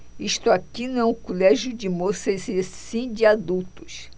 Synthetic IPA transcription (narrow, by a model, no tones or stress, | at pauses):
iʃt̪ʊakinʊɛ̃ʊ̃kolɛʒjʊd͡ʒɪmosɐzsĩd͡ʒɪad̪ut̪ʊ̥s